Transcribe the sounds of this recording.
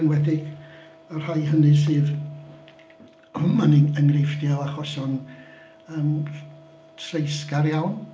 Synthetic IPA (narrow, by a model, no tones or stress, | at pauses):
nwɛdɪ | ɔr̥hajhənɨsɨːð | maniəŋrɪjfdjalˠaχɔsɔn | əːm | tʰrejskaɾjawn